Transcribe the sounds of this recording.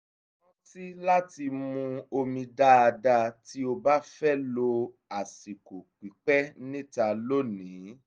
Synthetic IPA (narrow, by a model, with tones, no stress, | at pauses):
ɔ˦ti˦la˦ti˧mũ˧o˧mĩ˧da˦a˧da˧ti˦o˧ba˦fɛ˦lo˧ | a˨si˨ko˨k͡pi˨˦k͡pɛ˦nĩ˦ta˧lo˦nĩ˨˦